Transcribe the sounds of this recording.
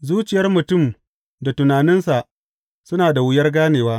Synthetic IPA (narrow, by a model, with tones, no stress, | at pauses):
zuː˦t͡ʃɪ˨jɐ˦rmʊ˨tʊ˦˨m | da˨tʊ˨naː˨nɪ˦nsa˨ʔ | sʊ˦naː˨da˨wʊ˦jɐ˦rɡaː˦neː˨waː˦